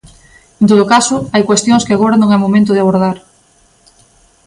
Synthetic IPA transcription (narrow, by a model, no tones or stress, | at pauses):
ẽnt̪oðokasʊajkwest̪jõŋskɪaɣoɾanõŋɛmomẽnt̪̬ʊðɪaβ̞oɾð̞aɾ